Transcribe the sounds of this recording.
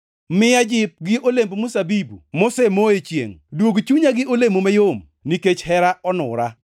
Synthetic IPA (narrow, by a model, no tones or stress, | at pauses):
mɪad͡ʒɪp̚ɡɪʔolembomusabibumosemoet͡ʃjḛŋdwoɡt͡ʃuɲaɡɪʔolemomɛjom | niket͡ʃhɛɾaʔɔnʊɾa